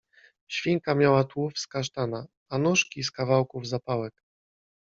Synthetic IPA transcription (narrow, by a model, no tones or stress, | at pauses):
ɕfʲiŋkamʲjawat̪wufskaʂt̪ana | anuʂkʲiskavawkuvzapawɛk